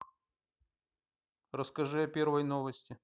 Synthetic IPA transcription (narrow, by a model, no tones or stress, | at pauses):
rəskɐʐɨɐpʲe̞rvəjnovəsʲtʲɪ